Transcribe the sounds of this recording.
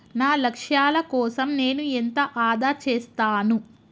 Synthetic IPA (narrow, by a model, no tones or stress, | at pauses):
naːlɐkʂjaːlɐkɔːsɐmne̞ːnuent̪ɐʔaːd̪aːt͡ʃeːst̪aːnu